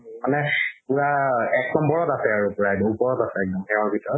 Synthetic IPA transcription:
manɛpuɹaɛknɔmbɔɹɔtasɛaɹupɔɹaɛdɔupɔɹɔtasɛɛk̚dɔmkɛɔɹbʱitʰɹɔt

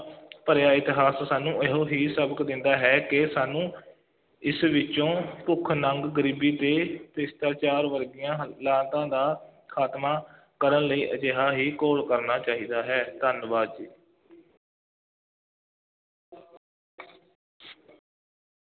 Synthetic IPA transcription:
pəɾjaːɪt̪ɪɦaːssaːnũːeɦõːɦiːsəbəkd̪ɪnd̪aːɦɛːkɪsaːnũː | ɪsʋɪt͡ʃõːpʊkʰnəŋɡɡəɾiːbiːt̪eːpɪst̪aːt͡ʃaːɾʋəɾɡɪjãːlãːt̪ãːd̪aːkʰaːt̪maː | kəɾənləiːʔəd͡ʒeːɦaːɦiːkoːlkəɾnaːt͡ʃaːɦiːd̪aːɦɛːd̪ʱənʋaːd̪d͡ʒiː

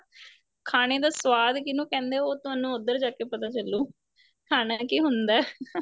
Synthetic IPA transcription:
kʰaːɽ̃eːd̪aːsʋaːd̪kɪnũːkɛ̃ːnd̪eːoːt̪ʊaːnũːʊd̪əɾd͡ʒaːkeːpət̪aːt͡ʃəlːuː | kʰaːnaːkiːɦʊnd̪aɛ

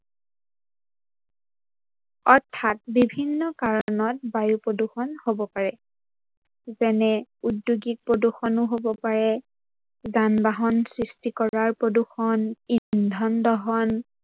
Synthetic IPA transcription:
ɔɹtʰːat̚bibʱinːɔkaɹɔnɔt̚bajupɹoduxɔnhobɔpaɹɛ | zɛnɛudjuɡik̚pɹoduxɔnʊɦobɔpaɹɛ | zanbaɦɔnsɹistikɔɹaɹpɹoduxɔnindʱɔndɔɦɔn

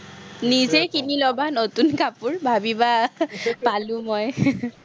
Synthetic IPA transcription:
nizekinilɔbanotunkapuɹbʱabiba | palʊ̃mɔj

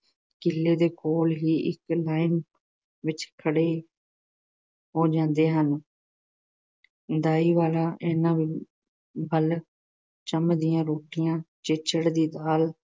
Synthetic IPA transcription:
kɪlːeːd̪eːkoːlɦiːʔɪ̰klaːɪn | ʋɪt͡ʃkʰəɽeː | ɦoːd͡ʒãːnd̪eːɦən | d̪aːiːʋaːlaːʔeːnãːʋiː | bəl | t͡ʃəmd̪ɪjãːɾoːʈɪjãːt͡ʃɪt͡ʃəɽd̪iːd̪aːl

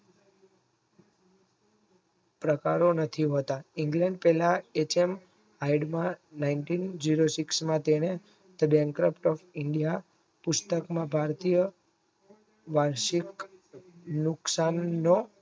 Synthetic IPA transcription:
pɾəkaɾonət̪ʰiɦot̪aiŋɡlɛ̃ɳɖpɛlaet͡ʃem | ɦaiɖmãnainʈind͡ʒiɾosiksmãt̪eñe | t̪əbjaŋkɾəpʰʈɔfiɳɖija | pʊst̪əkmãbʱaɾt̪ijə | ʋaɾʃik | nʊksanːo

